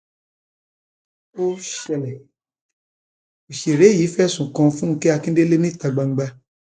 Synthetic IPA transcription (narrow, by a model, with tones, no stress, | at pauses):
o˦ʃɛ˧˨lɛ˨ | o˨ʃe˨ɾe˨˦˨ji˨˦fɛ˦˨sũ˨kã˧fũ˦ŋ̩˧ke˦a˧kĩ˦de˦le˦nĩ˦ta˧ɡ͡ba˧ŋ͡m̩˦ɡ͡ba˧